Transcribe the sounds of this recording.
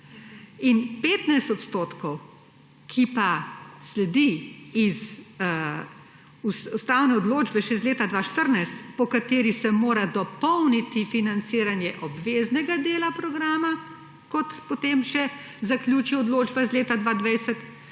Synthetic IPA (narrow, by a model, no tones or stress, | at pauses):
inpeːt̪najst̪ɔt̪st̪oːt̪kɔw | kʰipaslɛd̪iiz | usust̪aːwnɛɔd̪loːd͡ʒbɛʃɛzleːt̪ad̪ʋaːʃt̪əɾnajst̪pɔkat̪eːɾisɛmoːɾad̪ɔpɔwnit̪ifinant̪siːɾanjɛʔɔbʋeːznɛɡad̪eːlapɾɔɡɾaːma | kɔt̪pot̪eːmʃɛ | zaklʲjuːt͡ʃiɔd̪loːd͡ʒbaizleːt̪ad̪ʋaːd̪ʋajsɛt̪